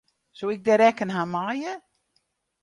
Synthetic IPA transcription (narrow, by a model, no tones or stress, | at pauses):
soːɪk̚dɛɾɛkənɦamajə